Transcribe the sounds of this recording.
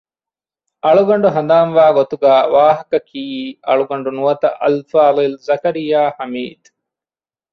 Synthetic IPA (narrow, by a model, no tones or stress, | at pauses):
ɐɭuɡɐɳɖuɦɐnd̪aːnʋaːɡot̪uɡaːʋaːɦɐkɐkiːiːɐ̰ɭuɡɐɳɖunuʋɐt̪ɐʔɐ̰lfaːðilzɐkɐɾijaːhɐmiːd̪